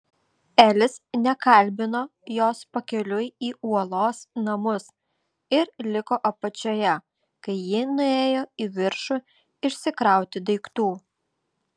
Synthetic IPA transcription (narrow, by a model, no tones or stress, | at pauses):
æːlʲɪsnʲɛkɐlʲbʲɪnoːjoːspɐkʲɛlʲʊjiːuɔlˠoːsnɐmʊs | ɪɾlʲɪkoːʔɐpɐt͡ʃʲoːjɛ | kɐɪjɪnʊeːjoːiːʋʲɪɾʃʊ | ɪʃʲsʲɪkɾɑˑʊt̪ʲɪd̪ɐɪkt̪uː